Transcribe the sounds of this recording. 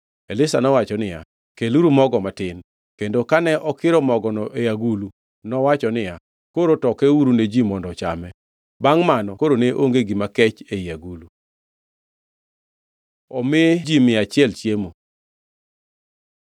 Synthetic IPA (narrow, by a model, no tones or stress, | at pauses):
elɪsanɔwat͡ʃɔnɪja̰ | keluɾumɔɡɔmatɪn | kendokanɛʔɔkɪɾɔmɔɡɔnɔʔejaɡulu | nɔwat͡ʃɔnɪja | koɾotɔkɛuɾuned͡ʒimɔndɔt͡ʃa̰mɛ | baŋmanɔkoɾoneʔo̰ŋɡeɡimakɛt͡ʃejaɡulu | ɔmɪd͡ʒimɪat͡ʃɪɛlt͡ʃjemo